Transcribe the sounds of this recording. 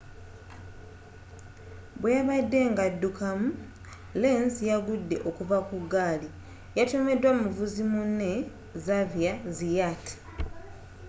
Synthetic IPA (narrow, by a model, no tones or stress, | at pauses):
bweaβadːe̞ŋɡadːukamu | lenzjaɡudːe̞̰ʔo̞kuvakuɡaːli | jatome̞dwamuvuzimunːe̞ | zavjazijatʰi̥